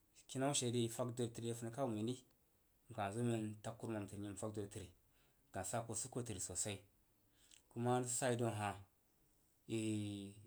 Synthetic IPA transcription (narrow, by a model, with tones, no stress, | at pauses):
ki˦na˦ʃe˨di˦˨fa˦kdo˨ɾti˨ɾi˦fu˦na˨ka˦u˨mi˨ni˦ | m˨ka˨zo˦me˦nta˦kːu˦ɾma˨m˨ti˨ɲi˨m˨fa˦kdo˨ɾti˨ɾi˨ | ɡ̥a˨sa˦ko˨su˦ko˦ti˨ɾi˨so˨sa˦i˦ | ku˦ma˦sa˦i˦do˨n˨ɦa˨ | i˦